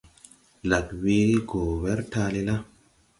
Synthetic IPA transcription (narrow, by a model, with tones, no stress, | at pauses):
la˨kwe˧˦ɡo˨wɛ˦ɾtaː˧le˦˧la˦